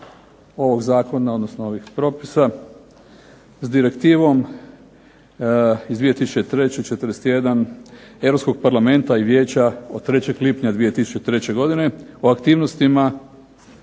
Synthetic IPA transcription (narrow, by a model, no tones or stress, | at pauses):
o̞ʋo̞ɡzaːko̞nao̞d̪nosnoo̞ʋixpɾo̞pisa | zd̪iɾe̞kt̪iːʋo̞m | izd̪ʋije̞t̪isu̥t͡ʃet̪ɾet͡ɕet͡ʃet̪ɾdese̥t̪je̞d̪aneʋɾopskoɡpaɾlˠame̞nt̪aiʋje̞ːt͡ɕaod̪̚t̪ːɾe̞t͡ɕe̞ɡlipɲad̪ʋije̞t̪isu̥t͡ʃet̪ɾe̞t͡ɕe̞ɡo̞d̪ine̞oakt̪iːʋnost̪ima